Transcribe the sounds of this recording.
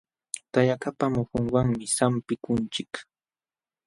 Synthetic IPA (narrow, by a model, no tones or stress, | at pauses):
t̪aʎakapamohoŋwɑŋmɪsampɪkʊnt͡ʃɪk